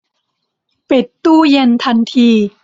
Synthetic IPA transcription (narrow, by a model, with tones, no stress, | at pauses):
pe˨˩t̪ːuː˥˩je˧nt̪ʰa˧nt̪ʰiː˧